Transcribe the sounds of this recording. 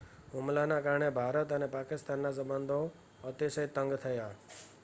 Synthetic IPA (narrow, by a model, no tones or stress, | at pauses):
ɦʊmlanãkaːɾɳebʱaːɾət̪ənepaːkɪst̪aːnːãs̬əbənd̪ʱo | ət̪isəɦit̪ːə̃ŋɡt̪ʰəjaː